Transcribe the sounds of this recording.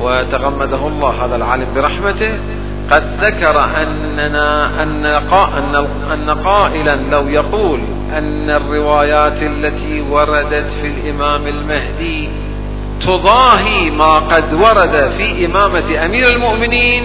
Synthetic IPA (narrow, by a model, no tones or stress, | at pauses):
wɪt̪aɣamːad̪ahʊlˤːɑːɦaːðalʕa̰ːlambɪɾˤɑħmat̪ɪh | qɑd̪ðakɑɾˤʔanː | aaʔanːaqɑʔanːa | ʔanːaqɑːʔɪlanlawjɑquːl | ʔɪnːarːɪwaːjaːt̪ʔalːat̪i | wɑɾˤɑd̪at̪filʔɪmaːmɪlmahd̪i | t̪ʊðˤɑːɦimaːqɑd̪wɑɾˤɑd̪afiːʔɪmaːmaʔamiːɾɪlmʊʔmɪniːn